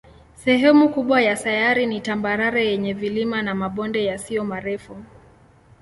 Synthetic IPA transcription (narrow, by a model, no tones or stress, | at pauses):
sɛɦɛmukuɓwajasajaɾinitambaɾaɾajɛɲɛvilimanamaɓɔndɛjasiɔmaɾɛfu